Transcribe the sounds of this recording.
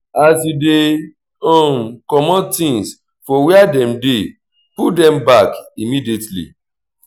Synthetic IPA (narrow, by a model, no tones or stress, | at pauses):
aside | ɔ̃mkɔmɔ̃tĩŋs | fɔwɛadɛ̃mde | pudɛ̃mbakimidietlḭ